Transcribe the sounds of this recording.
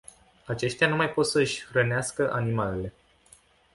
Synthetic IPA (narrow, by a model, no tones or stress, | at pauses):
at͡ʃe̞ʃt̪eanumajpo̞t̪səɨʃʲrəneaskəʔanimale̞le̞